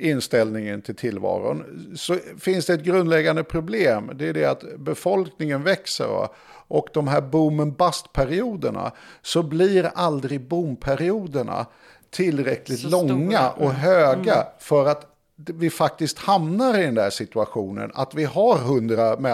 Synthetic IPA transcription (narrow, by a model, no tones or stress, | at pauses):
ɪnst̪ɛlnɪŋənt̪ʰɪlt̪ʰɪlːvɑ̰ːɾʊ̰nsɔfɪnsd̪ɛɛt̪̚ɡɾɵnd̪lɛɡːand̪əpʰɾʊbleːmd̪ɛːɖɛat̪bɛfɔlknɪŋənvɛksə̰ɾa̰ | ʔɔkd̪ɔmɦæːɾbumːənbast̪pʰæɾɪuːd̪əɳa̰sɔbliɾald̪ɾɪɡbumpʰæɾɪuːd̪əɳa̰ | t̪ʰɪlːɾɛklɪt̪lɔŋŋːaʔɔɦøːɡafœɾat̪ | vɪfak̚t̪ɪskt̪hamnaɾɪd̪ɛnd̪æʂɪt̪ɵaɧuːnə̰na̰t̪vɪhaɾɦɵnd̪ɾamɛ